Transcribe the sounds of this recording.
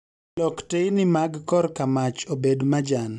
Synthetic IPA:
lɔktejnɪmaɡkɔrkamat͡ʃobedmad͡ʒan

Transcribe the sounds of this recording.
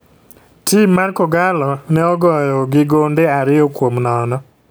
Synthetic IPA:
timːarkɔɡalɔnɛɔɡɔjɔɡɪɡondeaɾɪjɔkwomnɔnɔ

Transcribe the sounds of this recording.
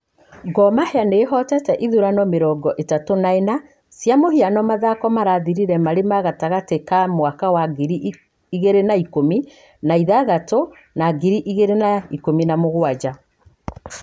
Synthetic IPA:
ɡɔmahɛaneɦɔtɛtɛʔiðuɾanɔmeɾɔːɡɔʔetatonaena | sjamohianɔmaðakɔmaɾaðiɾiɾɛmaɾemaɣataɣatekamwakawaɡiɾi | iɣeɾenaikomi | naiðaɣato | naɡiɾiʔiɣeɾenaikominamoɣwad͡ʒa

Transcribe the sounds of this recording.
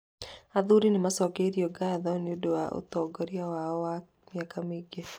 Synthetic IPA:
aðuɾinɪmasɔkeɾiɔɡaðɔnɪudowaʔṵt̪ɔɡɔɾiawawa | miakamiɡɛ

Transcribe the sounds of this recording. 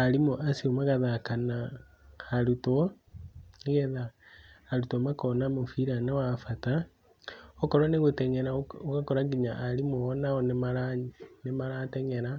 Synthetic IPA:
aɾimoʔasiomaɣaðakana | aɾutɔ | iɣɛða | aɾutɔmakɔnamofiɾanewafata | ɔkɔɾwɔneɣotɛɲɛɾaokakɔɾaɡiɲaʔaɾimoɔnaɔnemaɾanemaɾatɛɲɛɾa

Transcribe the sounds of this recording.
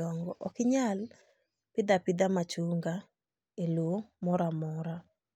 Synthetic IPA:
ɔŋɡɔʔɔkɪɲal | pɪd̪apɪd̪amat͡ʃuŋɡa | elomɔɾamɔɾa

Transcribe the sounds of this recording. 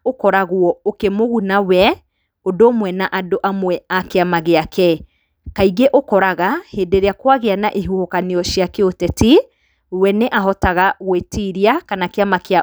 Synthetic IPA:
okɔɾaɣwɔokemoɣunawɛ | odomwɛnaʔadoʔamwɛakeamaɣeakɛ | kaiɣeʔokɔɾaɣahedeɾeakwaɣeana̰ʔeɦuhokaniɔʃjakeotɛti | wɛneʔaɦɔtaɣaɣwetiɾiakanakeamakea

